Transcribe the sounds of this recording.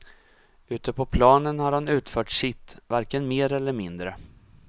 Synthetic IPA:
ʉ̟ːt̪əpʰɔpʰlɑːnənhaɾhanʉ̟ːt̪fœːʈʂɪt̪ːvaɾkənmeːɾɛlːəɾmɪnd̪ɾə

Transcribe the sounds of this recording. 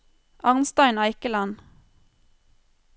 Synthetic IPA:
ʔɑʁnst̪ɑɪnɑɪkəlɑn

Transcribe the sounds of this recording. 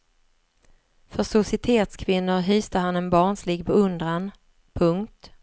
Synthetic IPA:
fœsʊsɪɪt̪ʰeːt̪skʰvɪnːʊɾɦyːst̪əɦanɛnbɑːɳʂliːɡbɛɵnd̪ɾan | pʰɵŋkt̪

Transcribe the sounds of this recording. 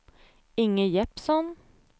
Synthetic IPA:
ɪŋəjɛpsɔn

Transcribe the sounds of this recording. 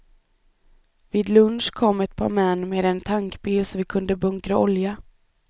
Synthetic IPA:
viːd̪lɵnʂkʰɔmːɛt̪̚pʰɑ̰ːɾmɛnːmeːd̪ɛnt̪ʰaŋkbiːlsɔmvɪkʰɵnd̪əbɵŋkɾaɔlja

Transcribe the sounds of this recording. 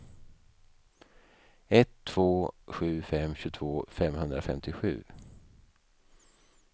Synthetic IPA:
ɛt̪ʰːv̥oːɧʉ̟ːfɛmɕʉːt̪ʰvoːfɛmhɵnd̪ɾafɛ̰mt̪ɪɧʉ̟̰ː

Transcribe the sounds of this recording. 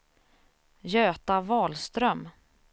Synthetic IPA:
jøːt̪avɑːlst̪ɾœm

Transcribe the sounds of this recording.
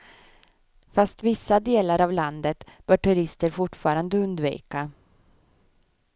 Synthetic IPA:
fast̪vɪsːad̪eːlaɾavland̪ət̪b̥œːʈʰɵɾɪst̪əɾfʊʈfɑːɾand̪əɵnd̪vḭːka

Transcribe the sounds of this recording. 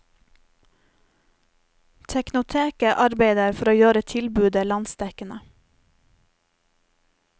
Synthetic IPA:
t̪ʰɛknʊt̪ʰeːkəʔɑɾbeɪd̪əɾfɔɾoːjøːɾət̪ʰɪlbʉːd̪əlɑnsd̪ɛkənə

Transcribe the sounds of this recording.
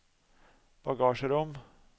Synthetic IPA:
b̥ɑɡɑːʃəɾʊm

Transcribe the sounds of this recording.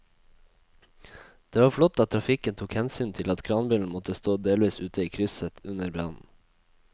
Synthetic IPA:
d̪̥eːʋɑːɾflɔt̪ɑt̪ʰɾɑfɪkənt̪ʰuːkhɛnsyːnt̪ʰɪlɑt̪kʰɾɑːnbʏln̩mɔt̪əst̪oːd̪eːlʋiːsʉːt̪ʰəiːkʰɾʏsət̪ʉnəɾbɾɑ̰ːnn̩

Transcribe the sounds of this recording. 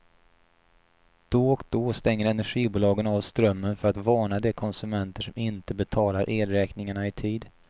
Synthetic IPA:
d̪̥ɔɔkd̪ɔst̪ɛŋːəɾɛnæɧiːbuːlɑːɡənɑːvst̪ɾœmːənfœɾat̪vɑːɳad̪ɛkʰɔnsɵmɛnt̪əʂɔmɪnt̪əbɛt̪ʰɑːlaɾʔeːlɾɛːknɪŋaɳaɪt̪ʰiːd̪

